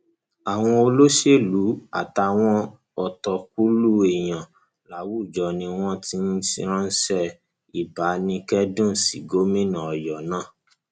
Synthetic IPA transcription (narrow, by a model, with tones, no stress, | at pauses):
a˨w̃ɔ̃˧o˧lo˦ʃe˦˨lu˨˦a̰˨ta˧w̃ɔ̃˧ | ɔ˨tɔ˧k̚u˦lu˦e˨j̃ã˨ | la˨˦wu˦˨d͡ʒɔ˨nĩ˧w̃ɔ̃˦ti˧˦n̩˦si˧˦ɾ̃ã˦n̩˦sɛ˦ | i˨ba˨˦nĩ˧kɛ˦dũ˦˨si˨ɡo˨˦mĩ˦nã˨ɔ˨jɔ˨nãː˦˨